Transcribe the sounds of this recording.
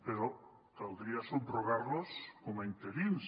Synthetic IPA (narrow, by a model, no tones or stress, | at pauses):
peɾʊ | t̪aw̪d̪ɾiasuɾoɣaɾlʊsumaint̪eɾins